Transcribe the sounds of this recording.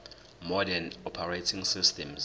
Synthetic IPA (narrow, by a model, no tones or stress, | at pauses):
mɔdɛnɔpʰaɹetʰĩŋsistʰɛmz